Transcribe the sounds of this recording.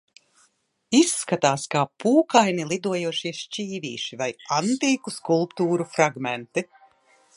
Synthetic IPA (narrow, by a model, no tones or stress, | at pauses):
isːkat̪aːskaːpuːkajnilˠid̪uɔjuɔʃiɛʃt͡ʃiːviːʃivajant̪iːkuskulˠpt̪uːɾufɾaɡmɛnt̪i